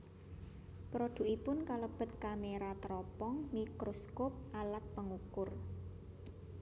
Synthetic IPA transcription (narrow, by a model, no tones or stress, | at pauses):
pɾod̪̥ṳʔipʊnkaləb̥ə̤t̪̚kameɾat̪ɾɔpɔŋmikɾoskop̚ʔalat̪̚pəŋukʊr